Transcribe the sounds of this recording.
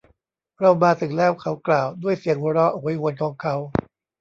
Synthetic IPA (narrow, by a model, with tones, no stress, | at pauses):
ɾa˧wmaː˧t̪ʰɯ˨˩ŋlɛː˦˥˩wkʰa˦˥wklaː˨˩wdu˥˩əjsi˨˩˦əŋwu˧ɾɔ˦˥ʔa˦jhu˧ənkʰɔː˩˦ŋkʰa˨˦˥w